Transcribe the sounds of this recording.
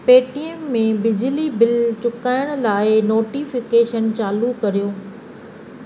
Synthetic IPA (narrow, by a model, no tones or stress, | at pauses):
peːʈiemːẽbɪd͡ʑɪlibɪlt͡ɕʊkaːɪʊɽ̃̆laːɪnoːʈifɪkeːʃənt͡ɕaːlukɐɾijoː